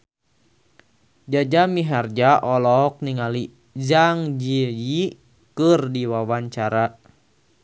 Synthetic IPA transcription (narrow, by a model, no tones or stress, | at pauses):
d͡ʒad͡ʒamiɦard͡ʒaʔɔlɔk̚niŋali | zaŋd͡ʒiji | kɨrdiwawaɲt͡ʃaɾa